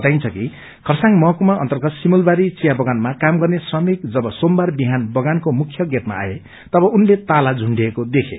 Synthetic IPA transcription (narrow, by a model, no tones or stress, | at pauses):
t̪ajnt͡sʰʌki | kʰʌrsaŋmʌɦʌkumaʌ̰nt̪ʌrɡʌt̪simulbaɾit͡sijabʌɡanmakamɡʌrnesrʌmikd͡zʌbʌsombarbiɦanbʌɡankomukʰjʌɡet̪ma̰a̰je | t̪ʌbʌunlet̪alad͡zʱuɳɖiekod̪ekʰḛ